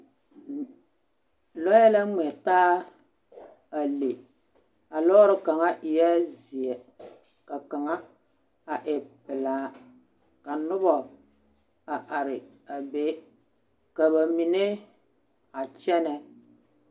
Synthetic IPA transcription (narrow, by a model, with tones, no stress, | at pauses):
lɔ˦ɛ˦la˦ŋ͡mɛ˨taː˦ | a˨le˨ | a˨lɔ˦ɾɪ˦ka˨ŋa˦ʔɪ˨jɛ˦zɪ˨ɛ˨ | ka˨ka˨ŋa˦ | a˨ʔɛ˨pɪ˨laː˨˦ | ka˨nʊ˦bɔ˨ | a˨ʔa˨ɾɪ˨ | a˨be˦ | ka˨ba˨mi˨ne˦ | a˨t͡ʃɛ˦nɛ˦